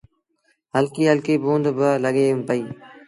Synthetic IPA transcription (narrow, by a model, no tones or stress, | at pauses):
ɦəlkiːɦəlkeːboːnd̪bələɠeːmpəiː